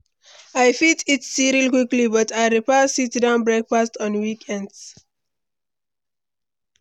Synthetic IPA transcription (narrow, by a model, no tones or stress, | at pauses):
ajfitʰitsiɹilkwiklibʌtajɹipɛsitdãʊ̃nbɹɛkfastʰɔ̃nwikʰɛ̃nds